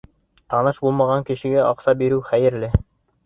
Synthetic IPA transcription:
t̪ɑnɤʃbulˠmɑʁɑŋkɘ̆ʃɘ̆ɡæʔɑqsɑbiɾɘwχæjɘ̆ɾlɘ

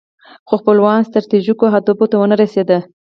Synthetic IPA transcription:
xoxpəlwɑnst̪ɾat̪iʒikoɦad̪obot̪awənaɾased̪ə

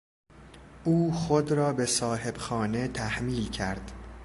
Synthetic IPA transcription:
ʔuːxod̪ɾɒːbe̞sɒːɦe̞b̥xɒːne̞t̪ʰæhmiːlcʰæɾd̪̥

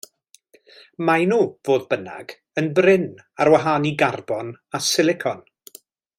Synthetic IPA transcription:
majnuːvoːðbəna̰ɡ | ənbrɪn | arwaɦaːniɡarbɔnasɪlˠɪkʰɔn

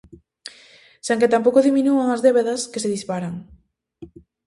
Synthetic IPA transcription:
seŋket̪ampowkoðimĩnuaŋazðeβeðɐskeseðispaɾaŋ

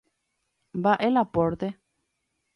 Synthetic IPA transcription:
baʔelapɔɾt̪e

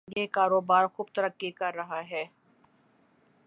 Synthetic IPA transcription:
ɡekaːɾoːbaːɾxʊːb̚t̪ɐɾəkːikɐɾːɐɦaɦɛː

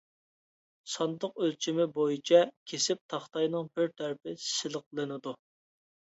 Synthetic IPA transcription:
sɑnd̪əq̚ølt͡ʃʰimɪbojit͡ʃʰɛkʲʰesɪp̚t̪ʰɑχt̪ɑjnɨŋpʰyɾt̪ʰæɾɪpɪsɪlˠəq̚lˠɨnɪd̪u

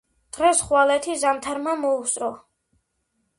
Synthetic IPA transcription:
d̪̥ʁɛsχwalɛt̪ʰizamt̪ʰaɾmamɔusʼɾɔ

